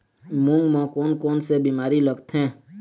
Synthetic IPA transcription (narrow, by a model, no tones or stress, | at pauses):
mʊ̃ŋɡmãkoːnkoːnsebimaːɾiləɡt̪ʰɦɛ̃ː